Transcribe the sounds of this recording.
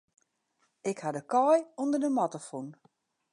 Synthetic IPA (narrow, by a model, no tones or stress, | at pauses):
ɪkhadəkɔjundərdəmɔtəfun